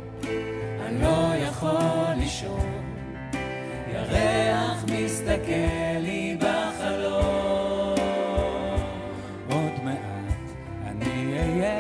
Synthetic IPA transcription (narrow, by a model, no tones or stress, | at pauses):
ʔa̰nlojaχaliʃov | jaʁeaχmist̪akelːibaχalo | ʔod̪meʔat | anije